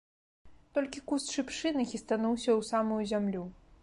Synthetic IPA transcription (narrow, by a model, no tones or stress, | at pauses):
t̪ɔlʲkʲikusʂɨpʂɨnɨxʲist̪anuwsʲɐwsamujuzʲamlʲu